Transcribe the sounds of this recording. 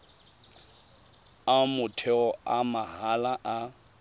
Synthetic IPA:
amʊtʰɛɔamaɦalaʔa

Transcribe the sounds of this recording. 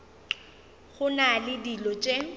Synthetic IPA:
χʊnalɪdilɔt͡ʃʼe

